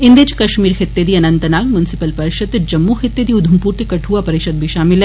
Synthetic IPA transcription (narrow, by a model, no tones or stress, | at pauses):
ɪ̃nd̪et͡ʃkɐʃmiːɾxɪt̪ːed̪iːɐnə̃nt̪naːɡmjʊnɪsɪpəlpɐɾɪʃəd̪d͡ʒɐmːuxɪt̪ːed̪iʊd̪ʱumpuːɾt̪ikɐʈʰuːapɐɾɪʃəd̪̚bʱiʃaːmɪlɦɛ